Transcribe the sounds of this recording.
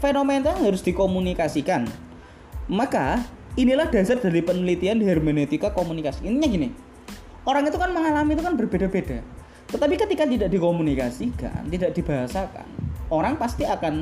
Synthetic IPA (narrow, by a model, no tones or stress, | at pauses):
fenoment̪aanɦaɾʊsd̥i̤komunikasikan | maka | inilahd̥a̤sard̥aɾipənəlit̪ianɦɛrmenet̪ikakomunikasiint̪iɲaɡini | oɾaŋit̪ukanməŋalamit̪ukanbərb̥eda̤bed̥a̤ | t̪ət̪apikət̪ikat̪idaʔd̥ikomunikasika̰nt̪idaʔd̥i̤b̥aɦasaka̰noɾaŋpast̪iakan